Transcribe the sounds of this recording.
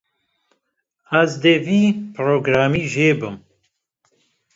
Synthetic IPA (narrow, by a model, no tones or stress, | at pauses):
azd̪eviːpɾoːɡɾaːmiːʒeːbɨm